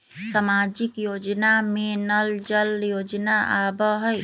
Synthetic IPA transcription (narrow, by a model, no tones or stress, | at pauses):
samad͡ʒikjod͡ʒnamenəld͡ʒəljod͡ʒnaʔabəɦəj